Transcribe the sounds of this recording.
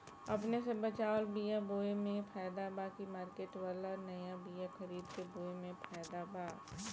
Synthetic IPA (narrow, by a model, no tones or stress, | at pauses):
ɐpnesebɐt͡ʃaːlbijaboːemẽpʰaːjd̪abaːkimaːɾkeːʈʋaːlaɔːɾnɐjabijaxɐɾiːd̪keboːemẽpʰaːɪd̪abaː